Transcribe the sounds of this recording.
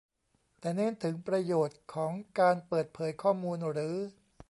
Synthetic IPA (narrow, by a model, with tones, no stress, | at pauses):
t̪ɛː˨˩neː˥˩˨nt̪ʰɯ˩˦ŋpɾa˧joː˨˩t̪̚kʰɔː˩˦ŋkaː˧npɤː˨˩t̪̚pʰɤː˩˦jkʰɔː˥˩muː˧nɾɯː˩˦